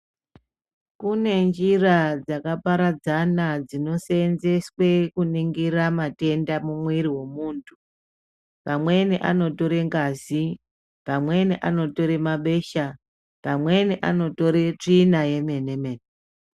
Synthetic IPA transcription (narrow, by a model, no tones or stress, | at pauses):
kune̞nd͡ʒirad͡zakapaɾad͡zanad͡zino̞seːnze̞swe̞kuniŋɡiramate̞ndamumwiɾiwe̞muːntʰu | pamwe̞neʔanoto̞ɾe̞ŋɡazi | pamwe̞neʔano̞to̞ɾemaɓe̞ʃa | pamwe̞neʔano̞to̞ɾe̞t͡ʂinaje̞menemene